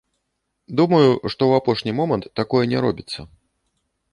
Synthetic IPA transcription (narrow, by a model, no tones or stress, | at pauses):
d̪umɐjuʂt̪ɔwapɔʂnʲimɔmɐnt̪ːakɔjɛnʲɛɾɔbʲit̪sːɐ̰